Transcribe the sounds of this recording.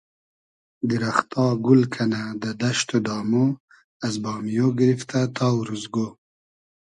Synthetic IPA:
d̪iɾaxt̪ɑːɡulkʰanad̪əd̪aʃt̪od̪ɑːmo | azbɑːmijoɡɪɾift̪at̪ʰɑːwɾuzɡo

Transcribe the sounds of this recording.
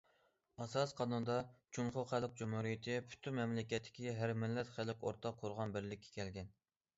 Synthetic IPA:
ɑsɑsqʰɑnund̪ɑt͡ʃʰuŋχʊχælɪq̚d͡ʒumhuɾijɪt̪ʰɪpʰy̥t̪ʰymmːɛmlɪkʲɛt̪ʰːɪ̥kʲiɦæɾmɪlːɛt̪χælɪkʲoɾt̪ʰɑqʰːoɾʁɑnbɪɾlɪkʲʰːɛ̥kʲɛlɡʲɛn

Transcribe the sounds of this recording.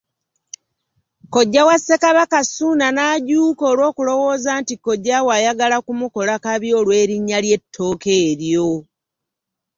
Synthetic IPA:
ko̞ɟːawasːekaβakasuːnanaːɟuːkoːlwo̞ːkulo̞wo̞ːzaːntiko̞ɟːawajaɡalakumuko̞lakaβjo̞ːlwe̞ːɾiɲːalje̞tʰːo̞ːke̞ːɾjo

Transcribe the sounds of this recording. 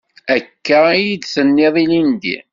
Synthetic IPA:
ækːəijid̪sənːɪðˤilind̪ḭ

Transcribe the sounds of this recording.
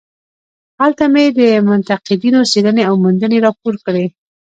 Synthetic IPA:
halt̪amed̪əmʊnt̪aqɪd̪inoseləneawmʊnd̪əneɾɑpoɾkɽe

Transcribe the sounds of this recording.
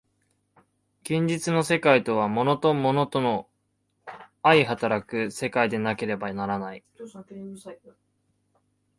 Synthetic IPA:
ɡ̥ẽ̞ɲ̟d͡ʑit͡sɨno̞se̞kait̪o̞β̞amo̞no̞t̪o̞mo̞no̞t̪o̞no | aiɦat̪aɾakɯ̟se̞kaid̪e̞nake̞ɾe̞banaɾanai

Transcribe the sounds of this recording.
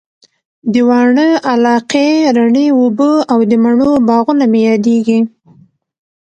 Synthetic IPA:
d̪əwɑɳəalɑqeɾaɳeobəawd̪əmaɳobɑɣunamejɑd̪eɡi

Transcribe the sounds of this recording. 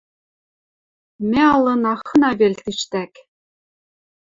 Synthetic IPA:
mɛɑlˠɤnɑχə̆nɑvelʲt̪ʰiʃt̪æk

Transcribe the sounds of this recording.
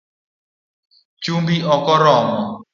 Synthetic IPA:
t͡ʃumbiɔkɔɾɔmɔ

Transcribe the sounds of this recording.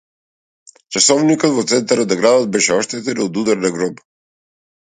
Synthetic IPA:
t͡ʃasɔvnikɔd̪vɔt̪sɛnt̪aɾad̪aɡɾad̪ɔd̪̚bɛʃɛɔʃt̪ɛt̪ɛnɔd̪ud̪aɾnaɡɾɔp

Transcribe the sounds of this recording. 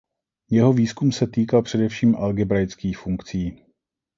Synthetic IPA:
jɛɦo̞viːskumsɛt̪iːkalpr̝̥ɛdɛfʃiːmʔalɡɪbɾajt͡skiːxfuŋkt͡siː

